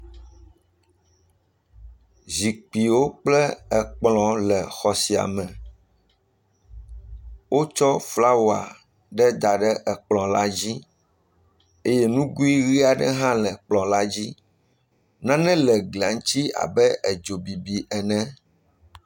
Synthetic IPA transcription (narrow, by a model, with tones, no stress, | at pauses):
zi˨k͡pi˨wo˦k͡plɛ˦ɛ˨k͡plɔ̃˨lɛ˨xɔ˨si˨a̰˨mɛ̃˨ | wʔo˦t͡ʃɔ˦fla˦wo˨a̰˨ | ɖɛ˦d̪a˨ɖɛ˦ʔɛ˨k͡plɔ̃˨la˦d͡ʑi˦ | e˦jɛ˦nũ˦ɡu˦i˦ɣi˦a˨ɖɛ˦ɦã˦lɛ˨k͡plɔ̃˨la˦d͡ʑi˦ | nã˦nɛ̃˦lɛ˨ɡli˨a˨ŋ˦t͡ɕi˦a̰˨bɛ˦ʔɛ˨d͡ʒo˨bi˨bi˨ʔɛ˨nɛ̃˦